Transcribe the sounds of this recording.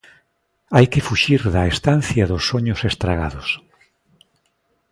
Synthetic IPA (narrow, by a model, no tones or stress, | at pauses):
ajkɪfuʃiɾðɐest̪an̟θjaðʊsːoɲʊsest̪ɾaɣa̰ðʊs